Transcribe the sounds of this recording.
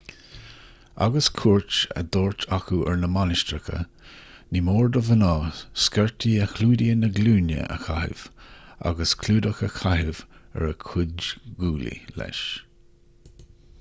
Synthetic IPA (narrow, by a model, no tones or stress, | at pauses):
a̰ɡəskʰuːɹt͡ʃə̰d̪oːɹtʰaxuʔɛɹnəmanɪʃt̪ɾəkʰə̰ | nimoːɹd̪əvənɑːskɛɹtʰiːəxluːdiənəɡluːnjə̰ʔə̰xahɪ̰v̥a̰ɡəskʰluːd̪əxəxʰaɦɪvɛ̰ɹəkʰʊdɡuːlḭlɛ̰ʃ